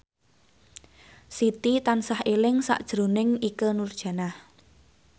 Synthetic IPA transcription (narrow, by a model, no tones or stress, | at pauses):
sit̪it̪ansahelɪŋsa̰ʔd̥ʒ̥ɾo̤nɪŋikənurd̥ʒ̥ä̤nah